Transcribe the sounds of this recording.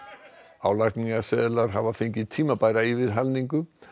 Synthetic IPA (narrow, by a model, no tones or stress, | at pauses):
aːwlakniɣasɛːðɪlaɾ̥ɦavafeɲcɪt̪ʰiːmapaːjɾaivɪɾ̥ɦalniŋkʏ